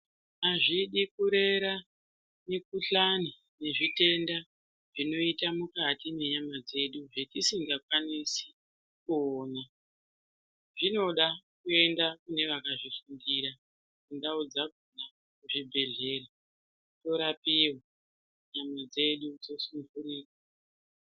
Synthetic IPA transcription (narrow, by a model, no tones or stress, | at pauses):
aʐiɗikuɾe̞ɾa | nekuɬani | ne̞ʐite̞nda | ʐino̞itamukatime̞ɲamad͡ze̞ɗuʐetisiŋɡakwanisi̥ | kuoːna | ʐino̞ɗakue̞ndakune̞ʋakaʐifundiɾa | kundaud͡zaɡʱona | kuʐibʱe̞ɮe̞ra | to̞ɾapiwa | ɲamad͡ze̞ɗud͡zo̞sumvuriːka